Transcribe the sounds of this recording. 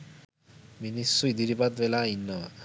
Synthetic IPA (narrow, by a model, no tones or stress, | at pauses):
minisuid̪iɾibad̪belainːɔ